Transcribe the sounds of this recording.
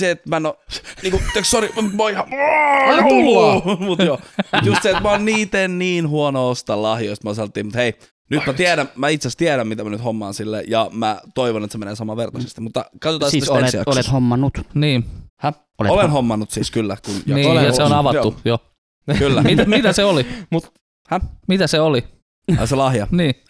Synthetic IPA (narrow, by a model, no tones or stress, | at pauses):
seet̪mænoniːŋkut̪økssoɾimoihɑokulumut̪jot̪just̪siet̪mæonniːt̪enniːnhuonoost̪ɑlɑhjoist̪mɑsɑlːt̪ːˑiːmut̪hei | nyt̪mæt̪ieɾæmæit̪sæst̪ieɾæmmit̪æmænyt̪homːɑ̰ːnsilːḛjɑmæt̪oiʋonet̪semeneːsɑmɑʋert̪ɑse̥st̪imut̪ːɑkɑt̪ot̪ɑˑseesiɑ̰ˑeshomːɑnːut̪niːhæ | oleolenhomːɑnːut̪siːskylːækunjoniːseonɑʋɑt̪ːujo | kylːæmitmmit̪æseolimut̪ | hæmit̪æseoli | ɑ̰selɑhjɑniː